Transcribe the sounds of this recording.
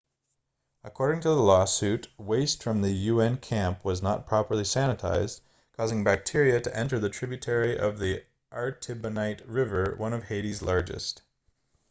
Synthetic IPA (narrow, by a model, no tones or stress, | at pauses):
əkʰɔɹɾɪ̃ŋtʰəðəlɔsʉtweɪstfɹʌ̃mðɨjʉɛ̃nkʰæ̃mpwʌznə̰t̚pʰɹ̥ɑpə˞lˠisæñɨtʰa̰ɪzd | kʰɔzɪ̃ŋbæk̚tʰɪɹiɨɾɨʔɛ̃ntə˞ðɨtʰɹ̥ɪbjtʰɛɹiʔʌ̰vði | ʔɑɹtʰɪbɨnaɪt̚ɹɪvə˞wʌ̃ñʌv̥heɪɾizlɑɹd͡ʒɨ̰st